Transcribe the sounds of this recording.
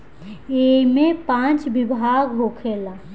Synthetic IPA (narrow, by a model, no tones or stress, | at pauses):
eimepãt͡ʃbibʱaɡɦokʰela